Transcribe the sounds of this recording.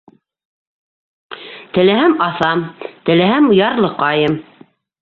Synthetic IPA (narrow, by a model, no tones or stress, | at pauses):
t̪ɘ̆læhæmɑθɑmt̪ɘ̆læhæmujɑɾlˠɤqɑjɤm